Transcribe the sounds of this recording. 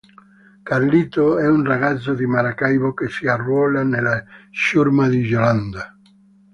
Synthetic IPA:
kaɾliːt̪oɛunraɣat̪sːod̪imaɾakajβokesiarːwɔːlanelaʃurmad̪id͡ʒoland̪a

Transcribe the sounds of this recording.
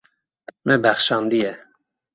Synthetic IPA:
mɛbæxʃɑnd̪ijɛ

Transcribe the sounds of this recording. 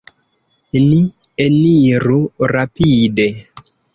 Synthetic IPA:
ni | eniɾuɾapide

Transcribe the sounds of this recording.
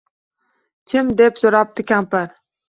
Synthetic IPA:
t͡ʃʰɪmd̪epsoɾap̚t̪ɪkʲampaɾ

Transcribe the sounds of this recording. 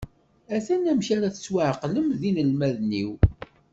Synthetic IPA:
æθænæmʃaɾæθə̥t͡sːwaʕqləmðinəlmæðniw

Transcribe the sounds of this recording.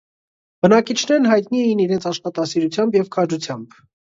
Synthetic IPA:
bənɑkit͡ʃʰnɛɾnɦɑjt̪niɛjiniɾɛnt͡sʰɑʃχɑt̪ɑsiɾut͡sʰjɑmbjɛvkʰɑɾut͡sʰjɑmb̥

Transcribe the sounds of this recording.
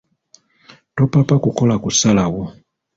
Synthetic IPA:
topapakuko̞lakusalawo

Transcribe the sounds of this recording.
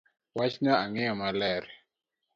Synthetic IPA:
wat͡ʃɲaaŋɪɔmalɛɾɛ

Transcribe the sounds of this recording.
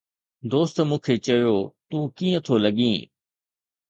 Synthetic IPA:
d̪oːst̪mũːkʰeːt͡ɕɐjoːt̪ũːkĩːə̃t̪ʰolɐɠĩː

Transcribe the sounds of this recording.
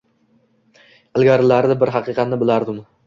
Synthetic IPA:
ɪlˠɡʲaɾɪlaɾd̪ɪbɪɾɦɑqʰɨqʰɑt̪nɪbɪlaɾd̪ʊm

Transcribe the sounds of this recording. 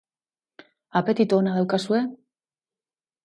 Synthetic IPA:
ape̞t̪it̪uonaðawkasue̞

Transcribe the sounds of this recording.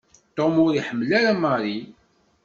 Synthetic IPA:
t̪omʊɾiħəmːlaɾamaɾi

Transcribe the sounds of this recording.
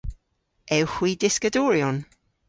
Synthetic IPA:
ɛwhw̥iːdɪskəduːɹjɔn

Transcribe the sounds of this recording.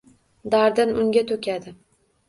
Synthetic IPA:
d̪aɾd̪ɪnʊŋɡʲat̪ʰɵkʲʰad̪ɪ

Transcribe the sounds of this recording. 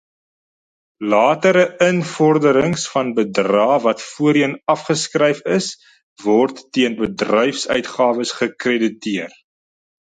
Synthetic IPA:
lɑːtəɾəənfɔrdəɾəŋsfɐnbədrɑːvɐtfuəɾiənɐfχəskrɛjfəs | vɔrtːiənbədrœjfsœ̰ɥtχɑːvəsχəkreditiər

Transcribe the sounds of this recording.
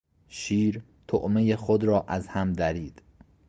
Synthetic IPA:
ʃiːɾ | t̪ʰoʔmejexod̪ɾɒːʔæzhæmd̪æɾiːd̪̥

